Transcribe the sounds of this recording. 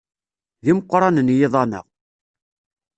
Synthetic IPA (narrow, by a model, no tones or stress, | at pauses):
ðiməqːɾˤɑnənjɪðˤɑmə̰ʁ